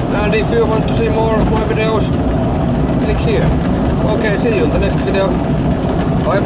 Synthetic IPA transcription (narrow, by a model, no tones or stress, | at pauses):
æ̃ndifjuwɑ̃nt̪ːusiːmɔːɹɔvmaɪvɪdioʊs | kʰlɪkhiɹ | oʊkeɪsiːjũnd̪ðənɛkst̪vɪdio | aɪ